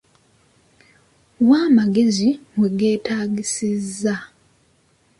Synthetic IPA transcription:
waːmaɡe̞zimweɡe̞ːtaːɡisizːa

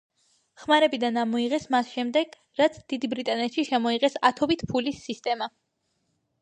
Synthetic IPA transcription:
χmaɾɛbid̪anamɔiʁɛsmasʃɛmd̪ɛɡ̥ | ɾat̪sʰd̪̥id̪ibɾit̪ʼanɛt̪ʃiʃɛmɔiʁɛsat̪ʰɔbit̪ʰpʰulisːist̪ʼɛma

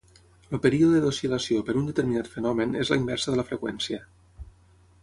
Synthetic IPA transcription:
lopəɾioððəðosiləsiopəɾund̪ət̪əɾminat̪fənɔmənezlaimbɛɾsəðələfɾəkwɛnsiə

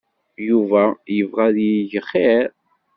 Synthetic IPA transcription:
juvæjəvʁæðiʝəχeɾ

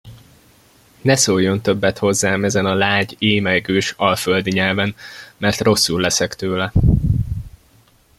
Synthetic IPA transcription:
nɛsojːo̞nt̪ø̞bːɛt̪ho̞zːaːmɛzɛnɒlaːɟeːmɛɡøːʃɒlføld̪iɲɛlvɛnmɛrt̪ro̞sːullːɛsɛkt̪øːlɛ

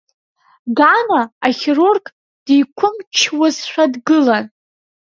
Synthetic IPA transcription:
ɡanaːχʲɪrurkʼ | d̥ijkʷʰʊmt͡ʃʰwazʃʷᶣadɡɨlan

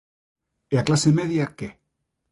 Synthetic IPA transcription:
eaklasemeðjake

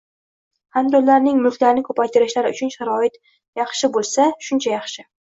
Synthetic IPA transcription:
hamd̪ɒlaɾnɪŋmʊlkʲlaɾɪnɪkʰɵpʰajt̪ʰɪɾɪʃlaɾɪʊ̰t͡ʃʰʊnʃaɾɒɪt̪ | jɑχʃɪbolˠsaʃʊnt͡ʃʰajɑχʃɪ

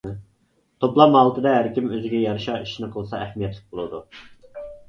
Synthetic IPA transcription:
t̪ʰoplˠɑmhɑlˠt̪ʰɨd̪ɛɦæɾkʲimøzɪɡʲɛjɑɾɨʃɑiʃinɪqʰəlˠɨsɑæhmijɛt̪lˠɪ̥k̚ʲbolˠud̪u

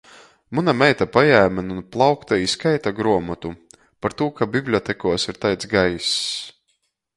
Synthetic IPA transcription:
munamɛjt̪apajæːmʲanunplˠɑwkt̪aiskajt̪aɡɾuɔmat̪u | paɾt̪uɔkabʲiblʲɔt̪ɛkuɔsiɾt̪ajt̪sɡajis

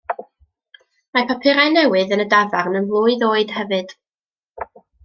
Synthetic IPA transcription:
mapʰapʰɪɾajnɛwɨðənədavarnənblˠʊɨðoːɨd̥hɛvɨd̥

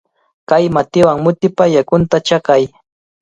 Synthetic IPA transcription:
kajmat̪ɪwaŋmʊt̪ɪpajakʊnt̪at͡ʃakaj

